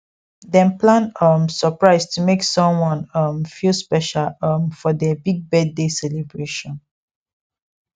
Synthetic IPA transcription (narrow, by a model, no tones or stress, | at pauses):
dɛ̃mplãnʌmsəpɹaɪstʰumeksɔ̃mwɔ̃nʌmfilspɛʃalmfɔdɛbiɡ̚bɛddesɛlebɹeʃɔ̃n